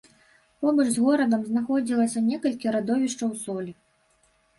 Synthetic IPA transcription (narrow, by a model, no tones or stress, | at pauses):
pɔbɐʐzɣɔɾɐd̪ɐmznaxɔd͡zʲilˠɐsʲɐnʲɛkɐlʲkʲiɾad̪ɔvʲiʂt͡ʂɐwsɔlʲi